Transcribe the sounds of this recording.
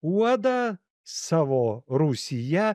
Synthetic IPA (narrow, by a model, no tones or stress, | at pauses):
wad̪a | savɔɾusʲija